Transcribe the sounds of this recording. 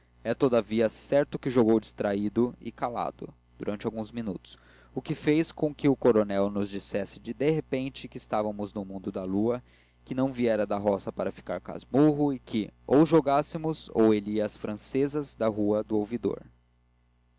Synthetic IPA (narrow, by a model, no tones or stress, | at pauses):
ɛt̪od̪aviɐsɛɾt̪ʊkɪʒoɡowd͡ʒist̪ɾaid̪ʊɪ̰kala̰d̪ʊ̰ | d̪̥uɾʔɐ̃nt͡ʃɪawɡũzminut̪ʊ̥s | ʊkɪfejskõkɪʊkoɾonɛwnʊzd͡ʒisɛsɪd͡ʒɪd̪eɦepẽnt͡ʃɪkɪːst̪avɐmʊznʊmũd̪ʊd̪ɐluɐ | kɪnɐ̃w̃viɛɾɐd̪ɐɦɔsɐpaɾɐfi̥ka̰ɾka̰zmuɦʊɪkʰɪowʒoɡasɪmʊzo̰weliɐːsfɾɐ̃sezɐzd̪ɐɦuɐd̪ʊowvid̪o̰ɾ